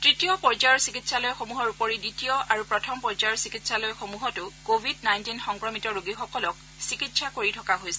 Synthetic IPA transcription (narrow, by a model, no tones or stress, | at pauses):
tɹitijɔpɔɹzajɔɹsikitsalɔjɔxomuɦɔɹupɔɹiditijɔaɹupɹɔtʰɔmpɔɹzajɔɹsikitsalɔjɔxomuɦɔtʊkobʱidnajntinxɔŋkɹɔmitɔɹoɡixɔkɔlɔk̚ | sikitsakoɹitʰɔkaɦojsɛ